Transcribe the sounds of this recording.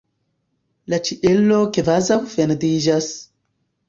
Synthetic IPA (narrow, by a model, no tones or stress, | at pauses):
lat͡ʃiʔelokevazawfendid͡ʒas